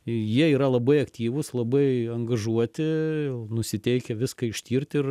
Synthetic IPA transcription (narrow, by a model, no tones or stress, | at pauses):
jiɛiːɾɐlˠɐbɐɪɐkt̪ʲiːʋʊslˠɐbɐɪɐŋɡɐʒuɔt̪ʲɪnʊsʲɪt̪ʲɛɪkʲɛʋʲɪskɐɪʃʲt̪ʲiːrʲt̪ʲɪr